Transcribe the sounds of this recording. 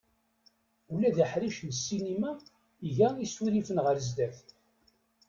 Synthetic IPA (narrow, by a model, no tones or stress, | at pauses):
ulæðiħɾiʃnsːinimæ | iʝæisuðifənʁəɾzd̪æθ